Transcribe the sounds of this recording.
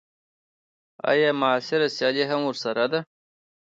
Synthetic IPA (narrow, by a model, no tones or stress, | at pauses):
a̰jamaːsɪɾasjaliɦamwʊɾsaɾad̪a